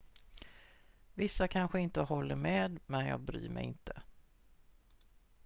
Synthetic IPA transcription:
vɪsːakʰanɧəɪnt̪əɦɔlːəɾmeːd̪mɛnjɑ̰ːɡ̚bɾy̰ːmɛ̰jɪ̰nt̪ʰə

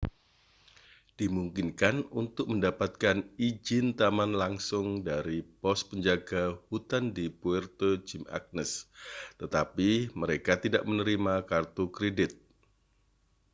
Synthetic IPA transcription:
d̥imuŋkɪnkanunt̪ʊk̚məndapat̪̚kanid͡ʒɪnt̪amanlaŋsʊŋdaɾipɔspəɲd͡ʒaɡahut̪andipuɛrt̪od͡ʒɪma̰k̚nəst̪ət̪apiməɾekat̪idaʔmənəɾimakart̪ukɾedɪt̪̚

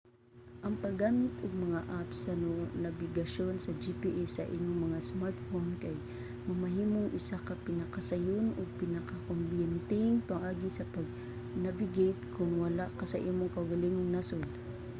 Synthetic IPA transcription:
ʔɐŋpɐɡːaːmɪt̪ʔʊɡ̚mɐŋaʔapsɐnʊnɐbɪɡɐʃonsɐd͡ʒipiʔɛsɐʔiɲoŋmɐŋasmaɾt̪fonkaj | mɐmɐɦiːmoŋʔɪsakɐpɪnɐkɐsɐjʊnʊɡ̚pɪnɐkakombɛnt̪ɪŋpɐŋʔaːɡɪsɐpɐɡ̚ | navɪɡejt̪̚kʰʊŋwɐlakasɐʔiːmoŋkɐʊɡɐliŋʊŋnasod̪

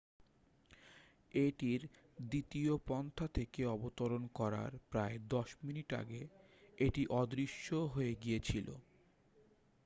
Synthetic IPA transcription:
eʈiɾ | d̪it̪iopɔnt̪ʰat̪ʰekeɔbot̪oɾonkɔɾa̰ɾpɾaed̪ɔʃminiʈa̰ɡe | eʈiʔɔd̪ɾiʃːoɦoeɡijet͡ɕʰilo̰

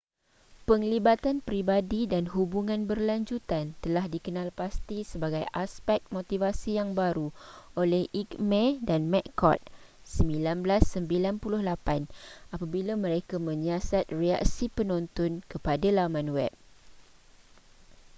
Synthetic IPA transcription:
pəŋlibat̪anpɾibadidanɦubuŋãnbərlaɲd͡ʒut̪ant̪əlahdikənãlpast̪isəbaɡajaspɛk̚t̪̚mot̪ivasijaŋbaɾuolɛhʔikmɛ̃danmɛt̪kɔ̰t̪̚ | səmbilanblasːəmbilanpulʊhlapanapabilamə̃ɾekamə̃ɲasat̪̚rea̰k̚sipənɔ̃nt̪ɔnkəpadalamãnwɛ̰p̚

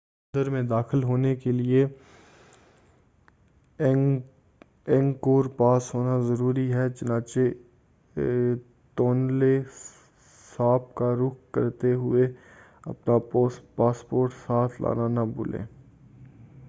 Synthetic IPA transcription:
ʊ̃nd̪əɾmẽd̪aːxɪlɦoːnekelie | ɛ̃ŋɡkoːɾpaːsɦoːnazɐɾuːɾiɦɛt͡ʃʊnãːt͡ʃe | t̪oːnle | saːp̚kaɾʊkʰkə̰ɾt̪eɦʊe | ɐ̰pnapaːspoːɾʈsaːt̪ʰlʔa̰ːnanabʊ̰ːlḛ̃ː

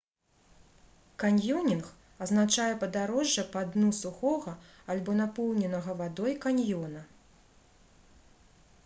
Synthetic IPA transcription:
kanʲjɔnʲinx | ɐznat͡ʂajɛpɐd̪aɾɔʐːɐpad̪nusuxɔɣɐ | alʲbɔnapɔwnʲɛnɐɣɐvad̪ɔjkanʲjɔnɐ

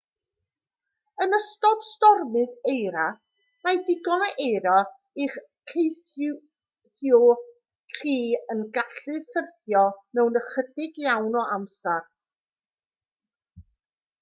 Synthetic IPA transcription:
ənəstɔd̥stɔrmɨðejɾa | majdɪɡɔnaʔejɾa | iχ | kʰejθ | θjʊ | kʰiːənɡaɬɨsərθjɔmɛwnəχədɪɡjawnɔʔamsar

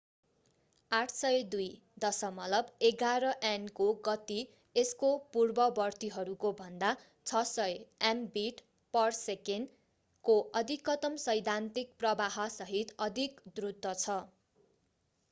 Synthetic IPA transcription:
aʈʰsʌjd̪uj | d̪ʌsʌmʌlʌbeɡaɾʌʔankoɡʌt̪i | eskopurbʌbʌrt̪iɦʌɾukobʱʌnd̪a | t͡sʰʌsʌjanbiʈ | pʌrseken | koʔʌd̪ʱikːʌt̪ʌmsʌjd̪ʱant̪ik̚prʌbaɦʌsʌɦit̪ʌd̪ʱikd̪rud̪ʌt͡sʰʌ

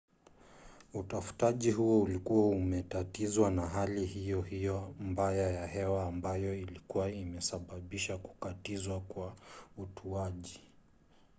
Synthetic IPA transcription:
utafu̥taʄiɦuɔulikuwaumɛtatizwanaɦalihijɔhijɔmbajajahɛwaːmbajɔilikuwaimɛsaɓaɓiʃaku̥katizwakwautʰuaʄi

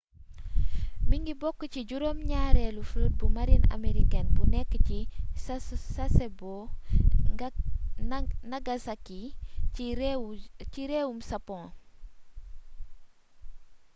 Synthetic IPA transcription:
miŋɡibɔkːəciɟuɾoːmɲaːɾɛːlufɾət̚bumaɾina̰meɾikɛnbunɛkːəcissasɛbo | nɐɡasaki | ɾciɾeːwumsɐpɔ̃

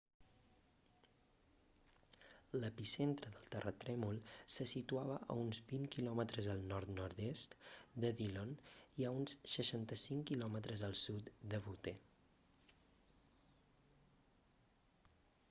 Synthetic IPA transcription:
ləpisent̪ɾəðəlˠt̪ərʔət̪ɾɛmulˠsəsit̪uaβəʔə̰unzbiŋkilɔmət̪ɾəzðəlˠnɔɾt̪nɔɾd̪est̪d̪əðiloniəunsːəʃant̪əsiŋkilɔmət̪ɾəzəlˠsut̪d̪əβut̪e

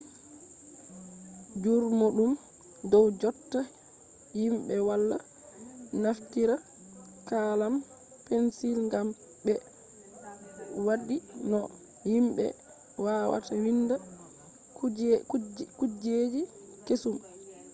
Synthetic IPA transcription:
d͡ʒuɾmoɗum | dɔwd͡ʒɔtːa | himɓɛwalːa̰ | naftiɾa | kalam | pensilŋɡam | bɛ | waɗinɔ | himɓɛ̰ | waːwa̰tawinda | kud͡ʒed͡ʒi | kesum

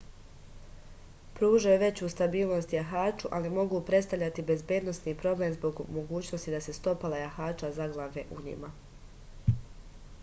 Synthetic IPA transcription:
pɾuːʒajuʋe̞t͡ɕuːst̪abiːlˠno̞st̪jaɦaːt͡ʃuʔalimo̞ɡuːpɾet̪st̪avʎat̪ibe̞zbjed̪nosniːpɾo̞ble̞mzbo̞ɡmo̞ɡuːt͡ɕnost̪id̪ase̞st̪o̞palajaxaːt͡ʃazaɡlˠaʋeʔuɲḭma

